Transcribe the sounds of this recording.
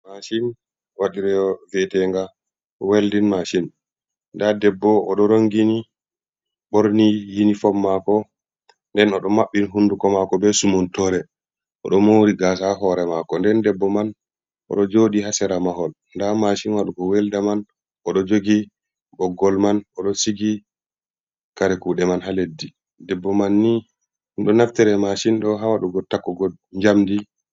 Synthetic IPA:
maʃin | waɗiɾɛɔvɛtɛŋɡa | weldinmaʃin | ndadɛbːɔɔɗɔɾoŋɡini | ɓoɾnijinifɔmːakɔ | ndɛnɔɗɔmaɓːinɦundukɔmakɔbɛsumɔntɔɾɛ | ʔɔ̰ɗɔmowɾiɡas̬aɦɔɾɛmakɔndɛndɛbːɔman | ʔɔ̰ɗɔd͡ʒoɗihasɛɾamaɦɔl | ndamaʃinwaɗuɡɔwɛldaman | ʔɔɗɔd͡ʒoɡi | bɔɡːɔlmanɔɗɔsiɡi | kaɾɛkuɗɛmanɦaledːi | dɛbːɔmanːi | ɗɔnaftɛɾɛmaʃinɗɔɦawaɗuɡɔtːakːɔɡɔ | ɲd͡ʒamdi

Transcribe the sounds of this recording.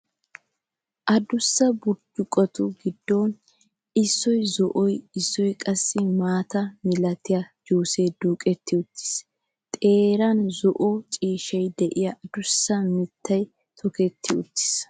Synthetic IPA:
ʔɐd̪ʊsːɐbʊɾd͡ʒʊkʼɔt̪ʊɡɪd̪ːoːn | ɪsːɔjzɔʔɔjɪsːɔjkʼɐsːɪmaːt̪ɐmɪlɐt̪ɪjɐd͡ʒuːseːd̪uːkʼɛt̪ʰːɪʊt̪ːɪ̥s | t̪ʼeːɾɐnzɔʔɔt͡ʃʼiːʃɛjd̪ɛʔɪjɐʔd̪ʊsːɐmɪt̪ːɐj | t̪ʰɔkɛt̪ʰːɪʊt̪ːɪ̥s

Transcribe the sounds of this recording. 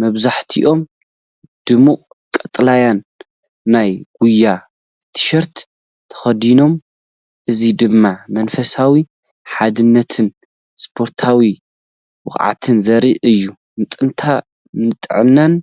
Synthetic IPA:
mɐβzaħt̪ʰiʔo̞m | d̪̥ɨmukʼ | kʼɐt̪ʼlajanː | ajɡ̥ujːa | t̪ʰɨ̥ʃɐɾt̪ | t̪ʰɐ̥xɐd̪ino̞m | ʔɨzid̪ɨmːamɐnfɐsawi | ħad̪ɨnːɐt̪ʰɨn | spʰo̞ɾt̪ʰawi | wɨxʼʕa̰t̪ʰɨnzɐɾiʔɨjːu | mɨt̪ʼɨnt̪ʰa | nɨt̪ʼʕɨnːan

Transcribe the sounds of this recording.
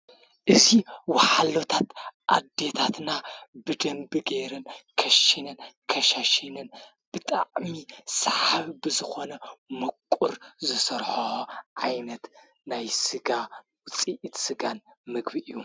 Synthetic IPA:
ʔɨziwaħalot̪ʰat̪ʔa̰d̪ːe̞t̪ʰat̪nabɨd̪ɐmbɨɡeɾɨnkʰɐʃinɨnkʰɐʃaʃinɨn | b̥ɨt̪ʼa̰ʕmisħaβibɨzɨxo̞nɐmɐkʷʼːuɾzɨsɐɾħoʕajnɐt̪ | najsɨɡa | wʊt͡sʼiʔit̪sɨɡanmɨɡbiʔɨjːu

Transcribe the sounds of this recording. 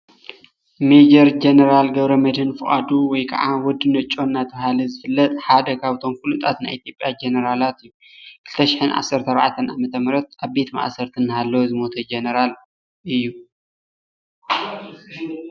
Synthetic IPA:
med͡ʒɐɾd͡ʒenɐɾalɡɐβɾɐmɐd̪hɨnfɨχʼa̰d̪uwɔjkʰa̰ʕawɔd̪ɨnɐt͡ʃʼːo̞nːat̪ʰɐβhalɐzɨfɨlːɐt̪ʼħad̪ɐkʰaβt̪ʰo̞mfɨlut̪ʼat̪najʔit̪ʰjo̞pʼjad͡ʒenɐɾalat̪ɨjːu | kʰɨlt̪ʰɐʃɪ̥ħɨnʔa̰sɐɾt̪ʰɐɾɐβaʕat̪ʰɐnʔa̰mɐt̪ʰɐmɾɐt̪̚ʔaβbe̞t̪ma̰ʔsɐɾt̪ʰɨnːɨhalːɐwozɨmo̞t̪ʰɐd͡ʒenɐɾal | ʔɨjːu

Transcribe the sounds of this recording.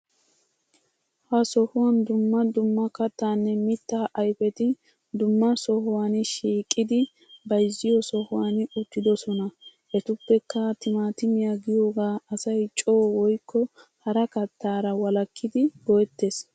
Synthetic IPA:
hɐsɔhʊwɐnd̪ʊmːɐd̪ʊmːɐkɐt̪ːaːnːɛmɪt̪ːaːʔɐjfɛt̪ɪ | d̪ʊmːɐsɔhʊwanɪʃiːkʼːɪd̪ɪ | bɐjzːɪjɔsɔhʊwanʊt̪ːɪd̪ɔsɔnɐʔɛt̪ʊpːɛkːɐt̪ɪmaːt̪ɪmɪjaɡɪjo̞ːɡaːɐsɐjt͡ʃʼoːwɔjkːɔhɐɾɐkɐt̪ːaːɾɐwɐlɐkʰːɪd̪ɪɡ̥ɔɛt̪ːes

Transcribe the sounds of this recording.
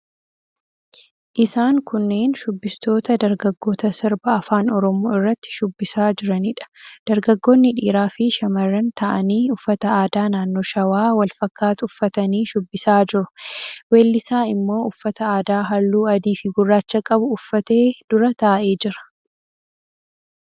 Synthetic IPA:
ʔɪsaːŋkʊnːe̞ːnʃʊbːɪst̪ʰo̞ːt̪ɐd̪ɐɾɡɐɡːo̞ːt̪ɐsɪɾbɐɐfaːnɔɾɔmoːɪrːɐt̪ːɪ̥ʃʊbːɪsaːd͡ʒɪɾɐniːᶑɐ̥d̪̥ɐɾɡɐɡːo̞ːnːɪᶑiːɾaːfɪʃɐmɐrːɐnt̪ʰɐʔɐniːʊfːɐt̪ɐaːd̪aːnaːnːo̞ːʃɐwaːwɐlfɐkːaːt̪ʊʊfːɐt̪ɐniːʃʊbːɪsaːd͡ʒɪɾʊweːlːɪsaːɪmːo̞ːʊfːɐt̪ɐaːd̪aːɦɐlːuːɐd̪iːfɪɡʊrːaːt͡ʃːɐkʼɐbʊːfːɐt̪e̞ːd̪̥ʊɾɐt̪ɐːʔe̞ːd͡ʒɪɾɐ̥

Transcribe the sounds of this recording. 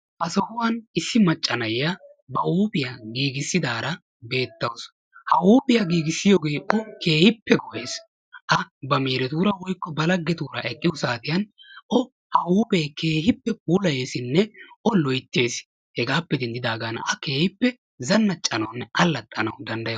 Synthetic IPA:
ʔɐsɐhʊwɐnɪsːɪmɐt͡ʃʼːɐnɐjːa | bɐʔuːpɪjaɡiːɡɪsːɪd̪aːɾɐ | be̞ːt̪ːɐws | hɐwuːpɪjaɡiːɡɪsːɪjoːɡe̞ːʔɔkeːhɪpːɛɡɔʔe̞ːs | ʔɐbɐmeːɾɛt̪uːɾɐwɔjkːɔbɐlɐɡːɛt̪uːɾɐ̰ʔɛkʼːɪjʊsaːt̪ɪjɐnʔɔ | hɐwuːpeːke̞ːhɪpːɛbuːlɐje̞ːsɪnːɛʔɔlɔjt̪ːe̞ːs | hɛɡaːpːɛd̪ɛnd̪ɪd̪aːɡanɐkeːhɪpːɛ | zɐnːɐt͡ʃʼːɐnɐwnːɛɐlːɐt̪ʼːɐnɐwd̪ɐnd̪ɐjɐ

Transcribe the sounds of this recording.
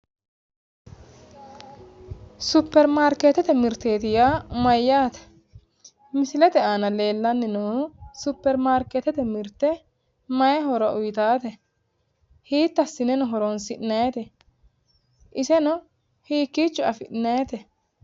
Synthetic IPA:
sʊpːɛɾmaːɾket̪ɛt̪ɛmɪɾt̪eːt̪ɪjamɐjːaːt̪ɛ̥ | mɪsɪlɛt̪ɛaːnɐle̞ːlːɐnːɪnɔhʊsʊpːɛɾmaːɾket̪ɛt̪ɛmɪɾt̪ːɛ | mɐjɛɦɔɾɔʔʊjt̪aːt̪ɛ | hiːt̪ːɐsːɪnɛnɔɦɔɾɔnsɪʔnɐjt̪ɛ | ʔɪsɛnɔ | hiːkːiːt͡ʃːʊɐfɪʔnɐɛt̪ɛ

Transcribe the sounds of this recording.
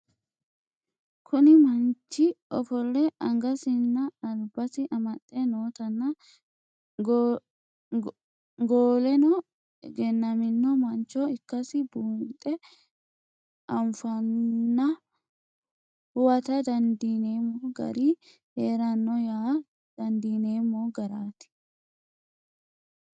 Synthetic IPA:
kʰʊnɪmɐnt͡ʃːɪʔɔfɔlːɛʔɐŋɡɐsɪnːɐɐlbɐsɪʔɐmɐt̪ʼːɛnoːt̪ɐnːɐ | ɡoːlɛnɔ | ɡɛnːɐmɪnːɔmɐnt͡ʃːɔɪkːɐsɪbuːnt̪ʼːɛ | ʔɐɱfɐnːɐ | hʊwɐt̪ɐd̪ɐnd̪iːne̞ːmːoɡɐ̰ɾiː | heːɾɐnːɔjaː | d̪̥ɐnd̪iːne̞ːmːoːɡɐɾaːt̪ɪ̥

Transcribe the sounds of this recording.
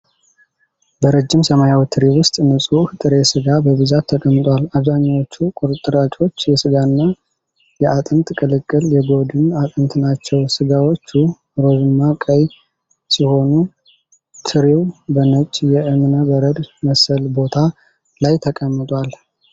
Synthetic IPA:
bəɾəd͡ʒːɪmsəmajawt̪ʰɨɾiwʊst̪ʼnɨsʼuht̪ʼɨɾe̞sɨɡabəβɨzat̪ʰːəkʼəmːɨt̪ʼwalaβzaɲːawo̞t͡ʃːukʼuɾɨt̪ʼːɨɾat͡ʃʼo̞t͡ʃːjɛsɨɡanːa | jɛat̪ʼɨnt̪ʼkʼɨlɨkʼːɨljɛɡo̞d̪ɨnat̪ʼɨnt̪ʰʼnat͡ʃːɛwsɨɡawo̞t͡ʃːu | ɾo̞dɨnːakʼəj | siho̞nu | t̪ʰɨɾiwbənət͡ʃʼjɛʔɨmɨnəbəɾəd̪məsəlbo̞t̪ʰa | lajt̪ʰəkʼəmːɨt̪ʼwal

